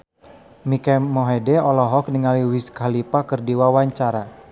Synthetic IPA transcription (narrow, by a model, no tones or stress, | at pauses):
mikɛmɔɦɛdɛɔlɔɦɔk̚niŋaliwiskalipakərdiwawaɲt͡ʃaɾa